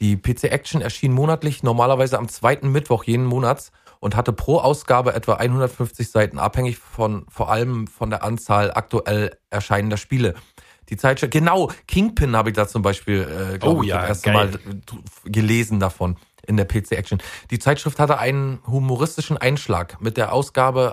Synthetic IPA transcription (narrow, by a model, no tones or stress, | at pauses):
d̥iːpʰeːt͡seːʔɛkt͡ʃn̩ɛɐʃiːnmoːnatlɪçnɔɐmaːlɐvaɪzəamt͡sv̥aɪtn̩mɪtv̥ɔχjeːnnmoːnat | ʔʊnthatəpʁ̥oːʔaʊsɡ̥aːbəʔɛtv̥aʔa̰ɪnhʊndɐtfʏnft͡sɪçz̥aɪtn̩ʔa̰phɛŋɪçfɔnfoːɐʔaləmfɔndeːɐʔant͡saːlʔa̰k̚tuʔɛlʔɛɐʃaɪnəndɐʃpiːlə | d̥iːt͡saɪtɪɡ̥ənaʊkʰɪŋpʰɪnhaːbəɪçd̥aːt͡sʊmbaɪʃpiːlɛːmʔeːɐstn̩maːl | ɡəleːzn̩dafɔn | ʔɪndeːɐpʰeːt͡seːʔɛk̚ʃn̩d̥iːt͡saɪtʃʁ̥ɪfthatəʔaɪnənɦumoʁɪstɪʃn̩ʔaɪnʃla̰ːkmɪt̚d̥eːɐʔaʊsɡ̥aːbə